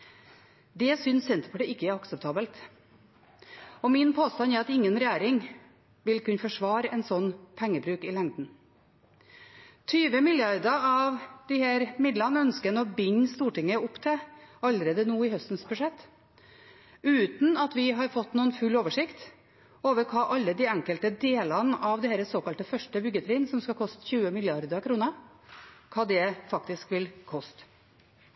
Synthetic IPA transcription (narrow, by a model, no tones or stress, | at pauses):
d̪ɛsʏnsːɛnt̪ə̥pʰɑʈəɪkːəæɾɑksəp̚t̪ʰɑːbəlt̪ | ɔmɪnpʰoːst̪ɑnæɾɑt̪ɪŋːənɾɛjæːɾɪŋ | ʋɪlkʉnəfɔʂʋɑːɾɛnsɔnːpʰɛŋːəbɾʉːkɪlɛŋd̪n̩ | t̪ʰyːʋəmɪljɑɾd̪əɑʋd̪̥ɪhæːɾmɪd̪lɑnəœnskənəɔbɪɲːst̪uːʈɪŋəʊpt̪ʰɛɑlːəɾeːd̪ənuːɪhœst̪n̩sbʉʂɛt̪ː | ʉːt̪n̩ɑt̪ʋɪɦɑɾfɔt̪ːnuːənfʉlːoːʋəʂɪkt̪ | oːʋəɾkʰɑːʔɑlːəd̪iːɛŋkəlt̪əd̪eːlɑnəʔɑʋd̪ɛhæːɾəsoːkɑlt̪əfœʂʈəbʏɡːət̪ʰɾiːnsɔmskɑkʰɔst̪əçʉːəmɪlɪɑɾd̪əkʰɾuːnə | kʰɑːd̪ɛfɑk̚t̪ɪskʋɪlkʰɔst̪